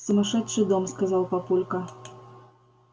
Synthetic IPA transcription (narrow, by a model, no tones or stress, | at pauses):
sɐmaʂɛtt͡ʂːɨd̪ɔmskazawpapulʲkɐ